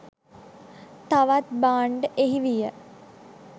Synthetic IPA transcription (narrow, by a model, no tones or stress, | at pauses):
t̪aʋat̪̚baːɳɖəʔeɦiʋijə